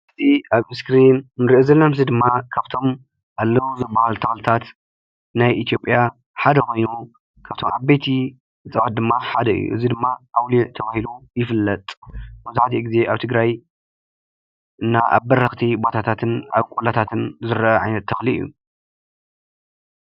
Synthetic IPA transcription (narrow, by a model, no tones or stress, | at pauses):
ʔɨt̪ʰiʔaβɨskɾinnɨɾiʔozɐlːɐmɨzid̪ɨmːakʰaβt̪ʰo̞m | ʔalːɐwuzɨbːahalt̪ʰɐxlɨt̪ʰat̪ | najʔit̪ʰjo̞pʼːja | ħad̪ɐkʰo̞jnu | kʰaβt̪ʰo̞̰mʕaβbejt̪ʰi | t͡sʼɐwat̪̚d̪ɨmːaħad̪ɐɨ̰jːṵʔɨ̰zid̪ɨmːaʔawliʕt̪ʰɐβahilujɪfɨlːɐt̪ʼbɐzaħat̪ʰiɡize̞ʔaβt̪ʰɨɡɾaj | ʔɨnːaʔa̰βbɐrɐxt̪ʰibo̞t̪ʰat̪ʰat̪ʰɨna̰βkʼolat̪ʰat̪ʰɨnzɨɾʔɐʕajnɐt̪ʰːɐxliɨ̰jːṵ